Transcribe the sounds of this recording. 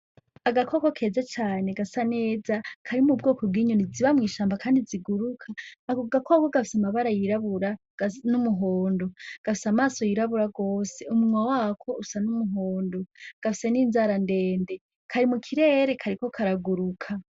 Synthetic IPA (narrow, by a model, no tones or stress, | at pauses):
aɡakʰoko̞kʰe̞ːzat͡ʃaːne̞ɡasane̞ːzakʰaɾimubɡoːkob̚ɡiːɲoniziβamŋiːʃaːmbakʰaːndiziɡuɾukʰaɡakʰokoɡafi̥samaβaɾajiɾaβuɾḁ | numuɦoːndo̞ɡ̥afi̥samaːso̞jiɾaβuɾaɡoːse̞umuwawaːkʰo̞usanumuɦoːndoɡ̥afise̞niːnzaɾande̞ːnde̞ | kʰaɾimukʰiɾe̞ːɾe̞kʰaɾiko̞kʰaɾaɡuɾukʰa